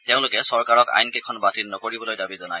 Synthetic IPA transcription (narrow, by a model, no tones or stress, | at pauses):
t̪jɛʊ̃lʊkɛsɔɹkaɹɔka̰jnkekʰɔnbatinnɔkoɹibɔlojdabizɔnaj